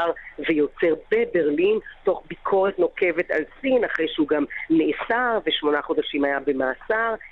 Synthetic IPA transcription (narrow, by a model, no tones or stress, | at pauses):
aʁvejo̞t͡se̞ʁbebe̞ʁlinto̞χbikʰo̞ʁetno̞ke̞veta̰lsinaχʁejʃeuɡamːeʔːsaʁveʃmo̞naχo̞d̪aʃimajabe̞maːsaʁ